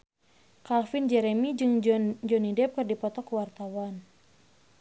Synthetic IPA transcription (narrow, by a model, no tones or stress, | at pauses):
kafind͡ʒɛɾɛmid͡ʒɨŋd͡ʒɔnidɛp̚kɨrdipɔt̪ɔkuwart̪awan